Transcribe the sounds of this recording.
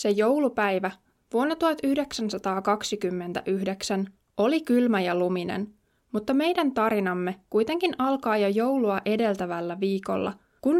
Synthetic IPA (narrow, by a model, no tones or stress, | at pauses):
se̞jo̞wlupæjʋæ | ʋuonːɑt̪uhɑt̪yhde̞ksænsɑt̪ɑːkɑksikymːe̞nt̪æ̰ʔyhde̞ksæn | o̞likylmæjɑluminḛn | mut̪ːɑme̞jdænt̪ɑɾinɑmːe̞kujt̪e̞ŋkinʔɑlkɑːjɑjo̞wluɑʔe̞de̞lt̪æʋælːæʋiːko̞̰lːɑ̰ | kun